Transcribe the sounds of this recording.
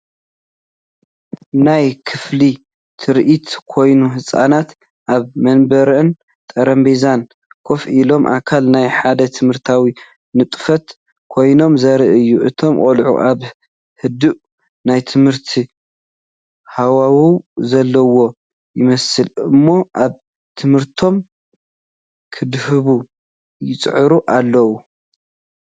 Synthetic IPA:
najkʰɨfli | t̪ʰɨɾʔit̪kʰo̞jnuɦɨsʼa̰nat̪ | ʔaβmɐnbɐɾɨn | t̪ʼɐɾɐmbezan | kʰo̞fʔilo̞mʔa̰kʰalnajħad̪ɐt̪ʰɨmhɨɾt̪ʰawi | nɨt̪ʼfɐt̪ | kʰo̞jno̞mzɐɾɨʔɨjːuʔɨt̪ʰo̞mkʼolʕṵʔaβ | hɨd̪ɨʔ | najt̪ʰɨmhɨɾt̪ʰi | hawawuzɐlːɐwo̞ | jɪmɐsɨlɨmːo̞ʔaβ | t̪ʰɨmhɨɾt̪ʰo̞m | kʰɨd̪hɨβu | jɪt͡sʼʕɨɾuʔalːɐwu

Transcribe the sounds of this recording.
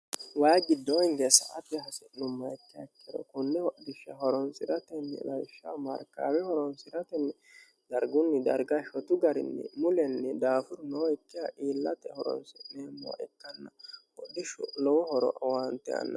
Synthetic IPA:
wajɡɪd̪ːɔŋɡɛsɐ̰ʔɐt̪ɛɦɐsɪnʊmːɐɛkːɪjɐkːɪɾɔ̰kʊnːɛwɔd̪ɪʃːɐ̰ɦɔɾɔnsɪɾɐt̪ɛnːɛ̰lɐjʃːɐmɐɾkːa̰wɛhɔɾɔnsɪɾɐt̪ɛnːɛ | d̪̥ɐɾɡʊnːɪd̪ɐ̰ɾɡaʃɔt̪ʊɡɐɾɪ̰nːɛ̰mʊlɛnːɛd̪aːfʊɾnɔɛkːɪjaʔiːlːɐt̪ɛhɔɾɔ̰nsɪnɛmɔ̰ːʔɛt̪ːɐnːɐwɔd̪ɪʃʊlɔwɔhɔɾɔ̰ʔwant̪ɛ̰ɐ̰nːɐ

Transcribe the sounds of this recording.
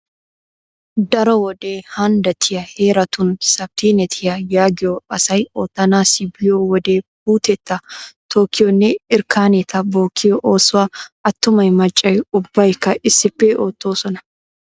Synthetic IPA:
d̪ɐɾɔwɔd̪eːhɐnd̪ɐt̪ʰɪjɐheːɾɐt̪ʊnsɐb̚t̪ʰiːnɛt̪ʰɪjɐjaːɡɪoːɐsɐjoːt̪ːɐnaːsɪbɪjoːwɔd̪eːb̥uːt̪ɛt̪ːɐt̪ʰoːkʰɪjɔnːɪɪɾkʰaːnɛt̪ʰɐboːkʰɪjɔʔoːsʊɐɐt̪ːʊmɐjmɐt͡ʃʼːɐjʊbːɐjɪkːɐʔɪsːɪbːeːʔoːt̪ːoːsɔnɐ̥

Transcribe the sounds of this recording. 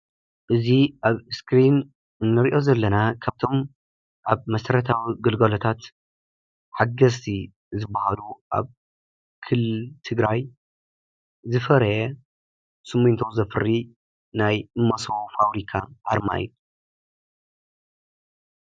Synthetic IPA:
ʔɨziʔaβskɾin | ɨnːɨɾiʔo̞zɐlːɐnakʰaβt̪ʰo̞m | ʔaβmɐsɐɾɐt̪ʰawiɡɨlɡɐlot̪ʰat̪ | ħaɡɐst̪ʰi | zɨbːahaluʔa̰β | kʰɨlːɨt̪ʰɨɡɾaj | zɨfɐɾɐjɛ | sɨmːɨnt̪ʰowzɐfɨɾːi | najɨmːɐsɐwfaβɾikʰa̰ʔaɾma̰j̰

